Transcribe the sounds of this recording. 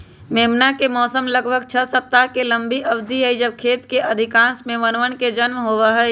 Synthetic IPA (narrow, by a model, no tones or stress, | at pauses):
meːmnakemɔːsəmləɡbʱəɡt͡ʃʰəsəp̚t̪akelə̃mbʱiʔɐʋd̪ʱiɦɛid͡ʒəb̚kʰeːt̪keʔɐd̪ʱɪkãːsmẽʋənʋənked͡ʒənmɦoːʋəɦɛ